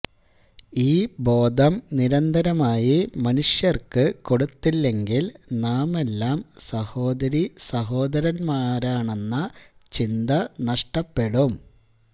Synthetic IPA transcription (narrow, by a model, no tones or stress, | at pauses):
iːbo̞ːd̪ʱɐmniɾɐnd̪ʱɐɾɐmaːjimɐnuʂjɐrkɨko̞ɽut̪ːilːe̞ŋɡilnaːme̞lːaːmsɐho̞ːd̪ɐɾisɐɦo̞ːd̪ɐɾɐnmaːɾaːɳe̞nːɐt͡ɕind̪ɐnɐʂʈɐpːe̞ɽum